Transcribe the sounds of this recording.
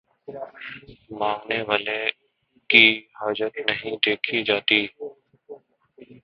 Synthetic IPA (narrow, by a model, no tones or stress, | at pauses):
mãːŋneʋaːlẽ | kiːhaːd͡ʒət̪nəɦĩd̪eːkʰid͡ʒaːt̪iː